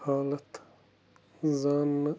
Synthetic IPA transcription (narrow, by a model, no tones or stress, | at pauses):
haːlɐt̪ | zaːnː